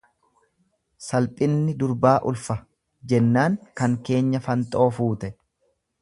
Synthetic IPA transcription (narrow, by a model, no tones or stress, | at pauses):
sɐlpʼɪnːɪd̪ʊɾbaːʔʊlfɐ | d͡ʒɛnːaːŋkɐŋke̞ːɲːɐfɐnt̪ʼo̞ːfuːt̪ɛ